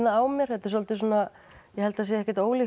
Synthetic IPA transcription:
naaːwmɛɾ̥hɛt̪ʏ̥solt̪ɪsuːna | jɛhɛlt̪aasjɛɛhcɪɾt̪oːwli

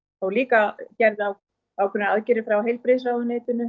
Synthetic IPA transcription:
θawliːkacɛɾðaw | awkʰɛnːɪaðcɪɾɪfɾawɦejlpɾɪs̬awðneːt̪ɪnʏ

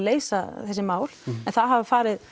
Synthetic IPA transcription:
leːjsaθɛsːɪmaːwl̥ɛnθaðɦavfaːɾɪð

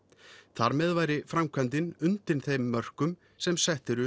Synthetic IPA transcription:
θaɾmɛðvaːjɾɪfɾamkʰvɛnt̪ɪnʏnt̪ɪɾnθejmːœr̥kʏm | sɛmsɛht̪ɪɾʏ

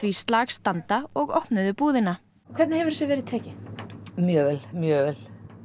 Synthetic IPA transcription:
vist̪laːxst̪ant̪aɔɣɔhpnʏðʏpuːðɪna | kʰvɛt̪nɪhɛvʏɾ̥sjɛvɛːɾɪðt̪ʰɛːcɪmjœːvɛlmjœːvɛl̥

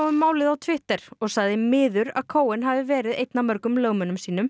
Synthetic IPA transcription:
ʏmːaːwlɪðawt̪ʰvɪht̪ɛɾ̥ɔɣsaɣðɪmɪːðʏɾa̰ðkʰoːwɪnɦavɪvɛːɾɪðejt̪namœɾkʏmlœːɣmœnʏmsiːnʏm

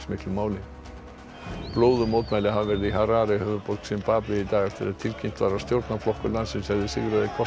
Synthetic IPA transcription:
smɪhk̪lʏmaːwlɪ | ploːwðʏmowt̪maːjlɪɦavavɛɾɪðiɦaɾaːɾɪhœðʏpolksɛmpaːplɪit̪aːɣɛft̪ɪɾɛðt̪ʰɪlcʰm̥t̪vaːɾast̪jowɾt̪naflɔhkʏlansɪnshɛvðɪsɪɣɾaðikʰɔ

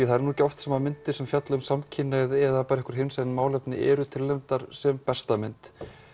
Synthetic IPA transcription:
iθaɛɾnucːɔwft̪sɛmamɪnt̪ɪ̥sɛmfjat̪lʏmsamcʰɪnːaðɛðapaːɾɛhkʏɾ̥ɦɪnsɛnmaːwlɛpnɪ̰ʔɛ̰ɾʏt̪ʰɪlːɛmt̪aɾ̥sɛmpɛst̪amɪnt̪

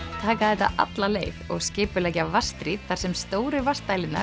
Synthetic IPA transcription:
t̪ʰaːkaðɛjt̪a̰ʔa̰t̪laleːjvɔ̰ɣscɪːpʏlɛːjcavast̪ɾit̪θaɾsɛmst̪oːwɾɪvast̪aːjlɪnːa̰

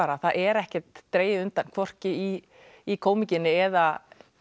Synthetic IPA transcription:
aːɾaθaðʔɛɾɛhcɛt̪ːɾeːjðɪʏnt̪ankʰvɔr̥cɪi | ikʰoːwmicɪnːɪɛða

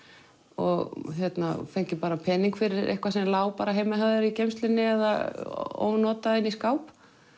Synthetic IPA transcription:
ɔ̰ɣçjɛt̪na̰fejɲ̥cɪpaːɾapʰɛːniŋkfɪɾɪḛhkvasɛmlaːwpaːɾaɦeːjmaɦaðʏɾicejmst̪lɪnːɪɛða̰o̰ːwnɔːt̪aðɪniskaːwp

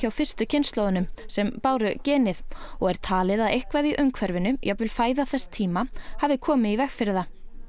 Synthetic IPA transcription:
awfɪr̥st̪ʏcʰɪnst̪loːwðʏnʏmsɛmpaːwɾʏcɛːnɪðɔɣɛɾ̥t̪ʰaːlɪðaðejhkvajðiʔœŋkʰvɛɾvɪnʏjʔɛɣvɪlfaːjðaθɛst̪ʰiːmahavðɪkʰɔːmɪivɛxfɪɾɪða

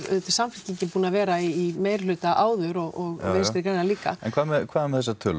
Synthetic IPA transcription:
œ̰t̪ɪsamfɪl̥cɪɲcɪpuːnavɛːɾaiːmeːjɾlʏːt̪aʔaːwðʏɾɔɣɔɣveːnsɾɪkɾejnaliːka̰ɛnkʰvaːðmɛkʰv̥aːðɛɾmɛθɛsːat̪ʰʏːl

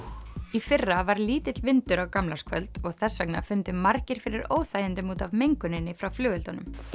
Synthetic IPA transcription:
ifɪrːavaɾliːt̪ɪt̪lvɪnt̪ʏɾawkamlaɾskʰvœlt̪ɔɣθɛsːvɛkna̰fʏnt̪ʏmːaɾcɪɾ̥fɪɾɪɾoːwθajɪnt̪ʏmuːt̪avmejŋkʏnɪnːɪfɾawflʏːɣʏlt̪anʏ̰m

